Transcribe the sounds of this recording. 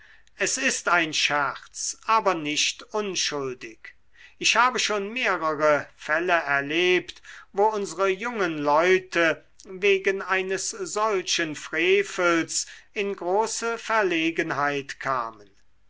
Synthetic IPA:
ʔɛsɪstaɪnʃɛʁt͡sʔaːbɐnɪʃtʔʊnʃʊldɪk | ɪçhaːbəʃoːnmeːʁəʁəfɛləɛɐleːptvoːʊnzəʁəjʊŋənlɔʏtʰə | veːɡənaɪnəsz̥ɔlʃənfʁ̥eːfəlsɪnɡʁoːsəfɛɐleːɡənɦaɪtkʰa̰ːmən

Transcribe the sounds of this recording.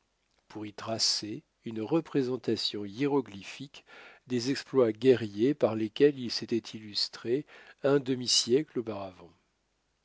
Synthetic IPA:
puʁit̪χase | ynʁəpχezɑ̃t̪asjɔ̃iʁɔɡlifikd̪ezɛksplwaɡʲɛʁjepaʁlekʲɛlilset̪ɛt̪ʰilyst̪χeɛ̃d̪əmisjɛklopaʁavɑ̃

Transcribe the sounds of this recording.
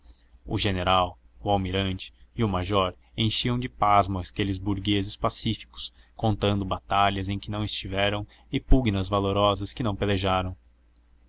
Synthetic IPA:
ʊ̰ʒeneɾaw | ʊawmiɾɐ̃nt͡ʃɪ̥ːʊmaʒɔɾ | ẽj̃ʃiɐ̃w̃d͡ʒɪpazmɐskelɪzbuɾɡezɪspasifi̥kʊ̥s | kõnt̪ɐ̃nd̪ʊbat̪aʎɐzẽj̃kɪnɐ̃w̃ɪst͡ʃivɛɾɐ̃w̃ | ɪpuɡnɐzvaloɾɔzɐskɪnɐ̃w̃peleʒaɾɐ̃w̃

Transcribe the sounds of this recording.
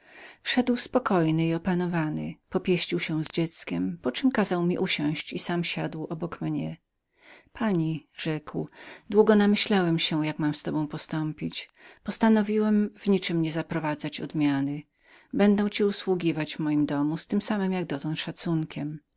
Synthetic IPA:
fʂɛd̪wspɔkɔjnɘiɔpanɔvanɪ̰pɔpʲjɛɕt͡ɕiwɕɛwzd͡ʑɛt̪skʲɛmpɔt͡ʂɘmkazawmʲiʔuɕɔ̃w̃ɕt͡ɕisamɕad̪wʔɔbɔkmɲɛ | pʰaɲiʐɛkwd̪wuɡɔnamɘɕlawɛmɕɛjakmamst̪ɔbɔ̃w̃pɔst̪ɔmpʲit͡ɕpɔst̪anɔvʲiwɛmvɲit͡ʂɘmɲɛzapɾɔvad̪zat͡ɕɔ̰d̪mʲjanɘ | bɛnd̪ɛ̃w̃t͡ɕiuswuɡʲivad͡ʑvmɔjimd̪ɔmust̪ɘmsamɘmjaɡ̚d̪ɔt̪ɔ̃nt̪ʂat̪suŋkʲɛm

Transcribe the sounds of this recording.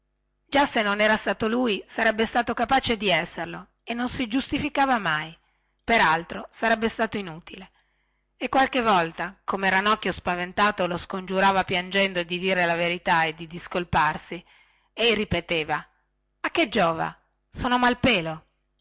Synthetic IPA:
d͡ʒasːenːonɛːɾast̪aːt̪oluːjsaɾɛbːest̪aːt̪okapaːt͡ʃed̪iɛsːerlo | enːonsid͡ʒust̪ifikaːvamaj | peɾalt̪ɾosaɾɛbːest̪aːt̪oinuːt̪ile | ekːwalk̟evːɔlt̪akomeɾanɔkːjospavent̪aːt̪oloskond͡ʒuɾaːvapjand͡ʒɛnd̪oed̪id̪iːɾelaveɾit̪aed̪id̪iskolparsi | ɛjripet̪eːva | ak̟ːed͡ʒɔːva̰ | soːnomalpeːlo

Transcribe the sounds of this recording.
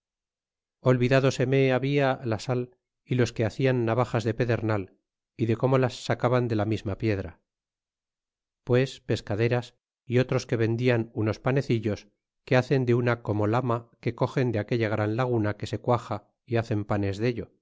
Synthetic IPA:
o̞lβiðaðo̞se̞meaβialasal | ilo̞skeaθianːaβaχazðe̞pe̞ðe̞ɾnal | iðe̞ko̞mo̞lasːakaβand̪e̞lamizmapje̞ðɾa | pwe̞spe̞skaðe̞ɾas | io̞t̪ɾo̞ske̞βe̞nd̪ianuno̞spane̞θiʎo̞s | ke̞aθe̞nd̪eunako̞mo̞lamake̞ko̞xe̞nd̪eake̞ʎaɣ̞ɾanlaɣ̞unake̞se̞kwaxa | iaθe̞mpane̞zðeʎo̞

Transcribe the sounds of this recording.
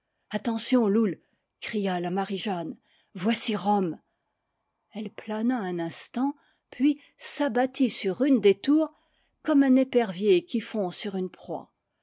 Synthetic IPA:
at̪ɑ̃sjɔ̃lul | kχijalamaʁiʒan | vwasiʁɔm | ɛlplanaɛ̃nɛ̃st̪ɑ̃ | pʰɥi | sabat̪ʰisyʁynd̪et̪uʁ | kɔmɛ̃nepɛʁvjekʲifɔ̃syʁynpχwa̰

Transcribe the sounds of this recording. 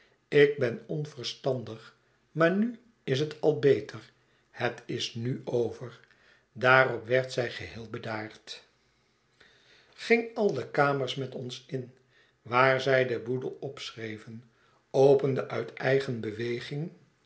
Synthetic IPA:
ɪɡ̚bɛnɔnfərstɑndəχ | maːɹny | ɪs̬ɦətʰɑlˠbejtʰəɹ | hətɪsnyowvəɹ | daːrɔpʋɛɹtsɛjχəɦɪːlˠbədaːɹt | χɪŋɑlˠdəkaːməɹsmɛtɔnsɪn | ʋaːɹzɛjdəbudəlˠɔpsrejvən | owpəndəʔœɥtʰɛjχənbəʋejχɪŋ

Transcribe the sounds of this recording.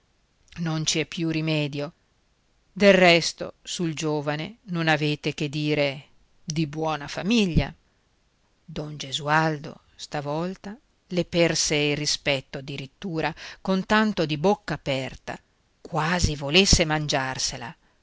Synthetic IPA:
nont͡ʃiɛpːjurimɛːd̪jo | d̪elrɛst̪o̰suld͡ʒoːvanenonaveːt̪eked̪ːiːɾe | d̪ibwɔːnafamiʎːa̰ | d̪ond͡ʒezuald̪o̰ | st̪avɔlt̪a | lepɛrseilrispɛt̪ːoad̪ːiɾit̪ːuːɾakont̪ant̪od̪ibokːaːpɛrt̪a̰ | kwaːzivolesːemand͡ʒarsela̰

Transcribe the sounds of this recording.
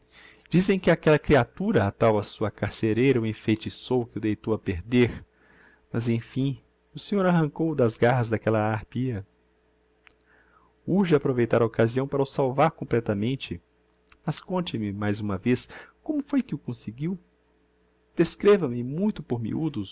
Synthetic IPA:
d͡ʒizẽj̃kɪakɛlɐkɾiat̪uɾɐat̪awɐsuɐkaɾseɾejɾɐuẽfejt͡ʃisowkɪʊd̪ejt̪owɐpeɾd̪eɾ | mɐzẽj̃fĩ | ʊsẽɲoɾaɦɐ̃ŋkowd̪ɐzɡaɦɐzd̪ɐkɛlɐaɾpiɐ | uɾʒɪapɾovejt̪aɾɐokaziɐ̃w̃paɾɐʊsawvaɾkõmplɛt̪ɐmẽnt͡ʃɪ | mɐskõnt͡ʃɪmɪmajzũmɐveskõmʊfojkɪʊkõsɪɡiw | d̪̥eskɾevɐ̃mɪmũj̃t̪ʊpoɾmḭud̪ʊ

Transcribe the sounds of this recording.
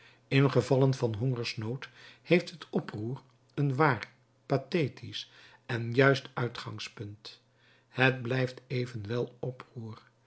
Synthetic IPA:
ɪnχəvɑlənvɑnɦoŋəɹsnowthejftɦətɔpruːr | ənʋaːr | pateːtʰis | ɛnjœɥstœɥtχɑ̰ŋspɵnt | hətblɛjftejvənʋɛlˠɔpruːr

